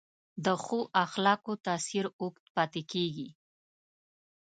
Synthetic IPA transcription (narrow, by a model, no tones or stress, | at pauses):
d̪əxoʔaxlɑkot̪ɑsiɾokt̪pɑt̪ekeɡi